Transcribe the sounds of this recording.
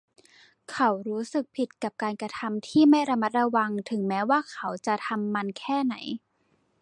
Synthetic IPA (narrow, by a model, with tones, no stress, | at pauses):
kʰa˨˦˥wɾuː˦˥sɯ˨˩k̚pʰi˨˩t̪̚ka˨˩p̚kaː˧nkɾa˧t̪ʰa˧mt̪ʰiː˥˩ma˥˩jɾa˧ma˦˥t̪̚ɾa˧wa˧ŋt̪ʰɯ˩˦ŋmɛː˦˥waː˥˩kʰa˨˦˥wt͡ɕa˨˩t̪ʰa˧mːa˧nkʰɛː˥˩na˩˦j